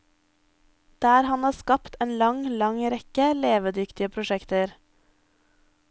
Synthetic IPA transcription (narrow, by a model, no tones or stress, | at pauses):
d̪̥æːɾhɑnhɑːskɑpt̪eːnlɑŋlɑŋɾɛkəleːʋəd̪ʏkt̪ɪəpʰɾʊʃɛkt̪əɾ